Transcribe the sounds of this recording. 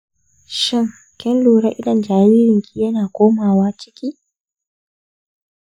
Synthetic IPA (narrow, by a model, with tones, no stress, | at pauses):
ʃɪ˦˨ŋ | kʲɛ˦nluː˨ɽɐ˦ʔɪ˦dɐ˨nd͡ʒaː˨wiː˦ɾɪ˨ŋkʰʲi˦jɐ˦naː˨kʷoː˦maː˨waː˦t͡ʃɪ˦kʲiː˦